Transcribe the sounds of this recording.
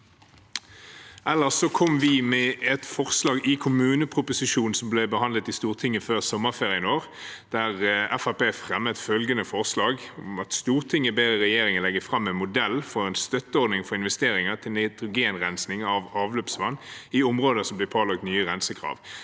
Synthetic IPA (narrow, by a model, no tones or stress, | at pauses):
ʔɛlːəʁsokʰɔmʋɪmɛʔɛt̪fɔʁslɑːɡɪkʰʊmʉːnəpʰʁʊpʊsɪʃuːn̩sɔmblɛbəhɑnd̪lət̪ɪst̪uːʁt̪ʰɪŋːəføːʁsɔmːəfeːʁɪəənoːʁ | d̪̥æʁɛfæpeːfʁɛmːət̪fœlɡənəfɔʁslɑːɡʊmɑt̪st̪uːʁt̪ʰɪŋːəbeːʁəʁɛjeːɾɪŋənlɛɡːəfʁɑmːɛnmʊd̪ɛlfɔɾɛːnst̪œt̪ːəɔɾd̪nɪŋfɔʁɪnʋɛst̪eːɾɪŋət̪ʰɪlnɛɪt̪ʁʊɡeːnʁɛnsnɪŋɑʋɑːʋløːpsʋɑnːɪʊmʁoːd̪əsɔmblɛːpʰoːlɑɡ̚t̪nyːəʁɛnsəkʰʁɑ̰ːʋ